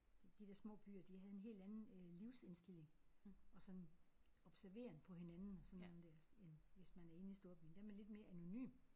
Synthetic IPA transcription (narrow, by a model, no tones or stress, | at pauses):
d̥id̥eɐsmɔ̰̽ːb̥y̰ːɐd̥ihæð̞̩ˠe̝nɦe̝̰ːld̥ænn̩liʊse̝nsd̥e̝l̰e̝ŋɒ̽sɒ̽n | ɒ̽b̥sæɐʋe̝̰ːɐnəpʰɒ̽ɦe̝nænn̩ɒsɒ̽nːond̥æɐsenʋe̝smænæɐe̝n̩isd̥o̝ɐb̥y̰ːn̩d̥eɐmeled̥me̝ːɐʔæno̝ny̰ːm